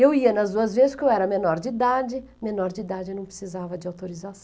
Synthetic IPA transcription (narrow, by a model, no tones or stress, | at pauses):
ewiɐnɐzd̪uɐzvezɪskɪewɛɾɐmenɔɾd͡ʒɪid̪ad͡ʒɪ | menɔɾd͡ʒɪid̪ad͡ʒɪnɐ̃w̃pɾɪsizavɐd͡ʒɪawt̪oɾizasɐ̃